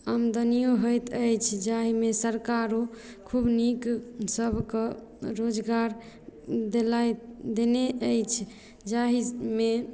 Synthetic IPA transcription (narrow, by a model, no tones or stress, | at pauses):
əmd̪ənijoɦəjt̪ʰəjt͡ʃʰd͡ʒaɦimesəɾkaɾo | kʰubniksəbʱke | ɾod͡ʒɡaɾ | d̪elajd̪eneʔəjt͡ʃʰ | d͡ʒaɦime